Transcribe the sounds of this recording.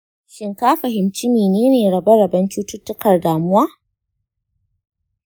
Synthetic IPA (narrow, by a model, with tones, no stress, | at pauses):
ʃɪ˨ŋkaː˦ɸɐ˨ɦɪ˨mt͡ʃɪ˦miː˨neː˦neː˨ɽɐ˨bɐ˦ɽɐ˨bɐ˦nt͡ʃuː˦tʊ˦tːʊ˦kɐ˨rdaː˨mʊ˦waː˦